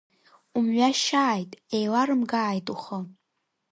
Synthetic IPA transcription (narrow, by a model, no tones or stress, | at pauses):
umɥʷᶣaʃaːjtʼejlaɾɨmɡaːjtʼuχə